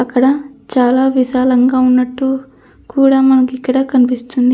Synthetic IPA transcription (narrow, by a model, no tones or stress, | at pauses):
ɐkːɐɽɐt͡ʃaːlaːʋiʃaːlɐŋɡaːunːɐʈːu | kuːɽaːmɐnɐkikːɐɽɐːkɐnipist̪und̪i